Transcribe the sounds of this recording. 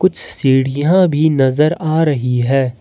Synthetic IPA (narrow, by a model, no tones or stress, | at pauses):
kʊt͡ʃʰsiːɽɪjãbʱinɐzəɾaːɾɐɦiɦɛː